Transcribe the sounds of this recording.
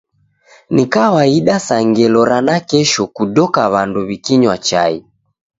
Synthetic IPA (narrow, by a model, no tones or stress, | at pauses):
nikawaiɗasaŋɡɛlɔɾanakɛʃɔkuɗɔkaβanduβikiɲwat͡ʃa̰i